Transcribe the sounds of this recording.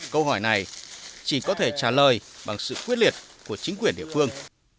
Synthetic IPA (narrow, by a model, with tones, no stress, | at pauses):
kə˧wɦɔ˧˩jna˨˩jt͡ɕi˧˩kɔ˨˦t̪ʰe˧˩t͡ɕaː˧˩ləː˨˩jɓa̰˨˩ŋsɨ̰˧˨kwi˦˥t̚li˨˩ət̚ku˧˩ət͡ɕï˨˦kwi˧˩ənɗḭ˧˨əfɨ˧əŋ